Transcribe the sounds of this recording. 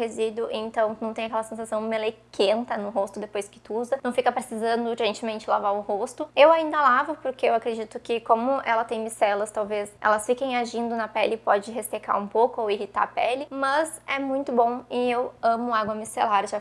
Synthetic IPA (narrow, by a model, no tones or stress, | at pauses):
hezid̪ʊʔẽnt̪ɐ̃w̪̃ɐ̃w̃t̪ẽj̃akɛlɐsẽsasɐ̃w̃melekʰẽnt̪ɐnʊɦost̪ʊd̪epojskɪ̥t̪ʊuzɐnɐ̃w̃fikɐpɾesizɐ̃nd̪ʊẽnt͡ʃɪmẽnt͡ʃɪlavaɾʊhost̪ʊewaĩnd̪ɐlavʊpoɾkeewakɾed͡ʒit̪ʊkɪkõmʊʔɛ̰lɐt̪ẽj̃misɛlɐst̪awvesɛ̰lɐsfikẽj̃aʒĩnd̪ʊnɐpɛlɪpɔd͡ʒɪɦest̪eka̰ɾũpowkʊowiɦit̪a̰ɾɐpɛlɪmɐzɛmũj̃t̪ʊbõw̃ɪewɐ̃mʊaɡwɐmisḛlaɾʒa